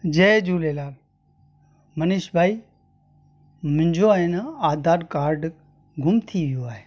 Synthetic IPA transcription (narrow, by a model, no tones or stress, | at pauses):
d͡ʒeːd͡ʒuːleːlaː | mənɪʃbʱaːi | mʊ̃ɪ̃ɲd͡ʒoaːɦenaaːd̪ʱaːɾkaːɾɖ | ɡʱʊmt̪ʰiʋijoaːɦeː